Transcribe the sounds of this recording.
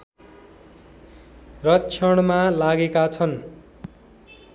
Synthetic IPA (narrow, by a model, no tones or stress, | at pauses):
rʌt͡sʰʌɽ̃malaɡekat͡sʰʌn